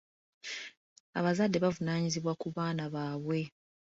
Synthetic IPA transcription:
a̰βazadːe̞βavunaːɲiziβwakuβaːnaβaːβwe̞

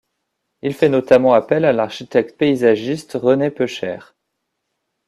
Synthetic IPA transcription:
ilfɛnɔt̪amɑ̃apɛlalaʁʃit̪ɛk̚t̪̚peizaʒist̪ʁənepøʃɛ̰ːʁ

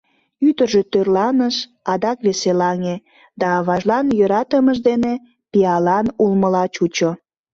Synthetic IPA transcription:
yd̪ərʒe̽t̪ørlɑnəʃ | ɑd̪ɑkβeselɑŋe | d̪ɑβɑʒlɑnjøɾɑt̪əməʒd̪ene | piɑlɑnulməlɑt͡ɕut͡ɕo

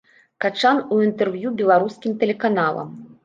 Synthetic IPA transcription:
kat͡ʂanuint̪ɛrvjubʲɛlˠaɾuskʲimt̪ɛlʲɛkanalˠɐ̰m

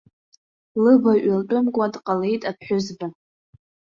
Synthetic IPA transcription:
lɨbaɥalt͡pʷʼʊmkʷʼadqʼalejtʼapʰħʊzba

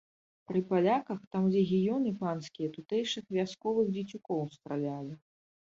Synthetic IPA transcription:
pɾɨpalʲakɐxt̪amd͡zʲɛɣʲijɔnɨpanskʲijɐt̪ut̪ɛjʂɨxvʲaskɔvɨɣd͡zʲit͡sʲukɔwst̪ɾalʲalʲi

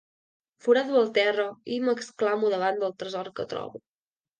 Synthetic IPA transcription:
fuɾaðuəlˠt̪ɛrəiməksklamuðəβand̪əlˠt̪ɾəzɔrkət̪ɾɔ̰βu

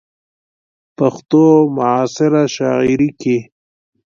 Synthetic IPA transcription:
paxt̪omʊʕaːsɪɾaʃɑ̰iɾiki

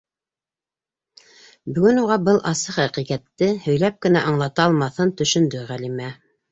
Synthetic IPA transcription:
bɵ̆ɡɵnuʁɑbɤlˠʔɑsɤχæqiʁæt̪ːɘhɵ̆jlæp̚kɘ̆næʔɑɴlˠɑt̪ɑɑlˠmɑθɤnt̪ɵ̆ʃɵ̆nd̪ɵʁælimæ

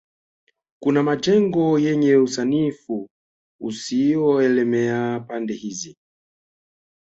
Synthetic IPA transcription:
kunamad͡ʒɛŋɡɔjɛɲɛusanifu | usiɔɛlɛmɛapandɛhizi

